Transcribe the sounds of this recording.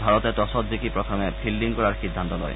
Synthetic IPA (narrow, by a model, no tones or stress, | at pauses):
bʱaɹɔtɛtɔsɔtzikipɹɔt̪ʰɔmɛbʰʱildiŋkɔɹaɹxid̪ʱːant̪ɔlɔ̰j